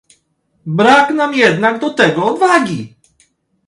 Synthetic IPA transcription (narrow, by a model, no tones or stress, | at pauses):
bɾaknamjɛd̪naɡd̪ɔt̪ɛɡɔːd̪vaɡʲi